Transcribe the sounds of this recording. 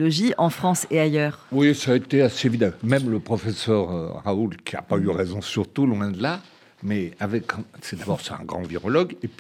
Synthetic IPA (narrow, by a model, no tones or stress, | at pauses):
lɔʒiʔɑ̃fχɑ̃seajœːʁwisaːet̪easevid̪ɑ̃mɛmləpχɔfɛsœʁø̰ʁaulkʲia̰payʁɛzɔ̃syʁt̪ulwɛ̃d̪əla | mɛavɛksɛd̪abɔʁsɛt̪ɛ̃ɡʁɑ̰̃viʁɔlɔɡepɥ